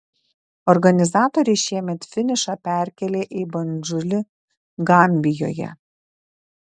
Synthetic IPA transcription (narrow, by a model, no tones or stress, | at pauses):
ɔɾɡɐnʲɪzɑːt̪oɾʲɛʃʲiɛmʲɛt̪fʲɪnʲɪʃɑːpʲæˑɾʲkʲɛlʲeːʔibɐnʲd͡ʒʊlʲɪ | ɡɐmʲbʲɪjoːjɛ̰